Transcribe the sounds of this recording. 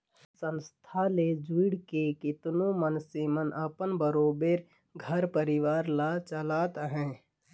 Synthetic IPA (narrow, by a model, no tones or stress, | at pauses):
sə̃nst̪ʰaled͡ʒuɪɽkekɪt̪nõmənsemənəpənbəɾoːbeːɾ | ɡʱəɾpəɾɪʋaːɾlat͡ʃəlaːt̪ɦɛ̃ː